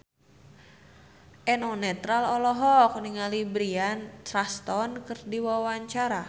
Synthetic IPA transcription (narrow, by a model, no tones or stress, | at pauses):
ʔɛnɔnɛt̪ɾalɔlɔɦɔk̚niŋalibɾiant̪ɾast̪ɔnkɨrdiwawaɲt͡ʃaɾa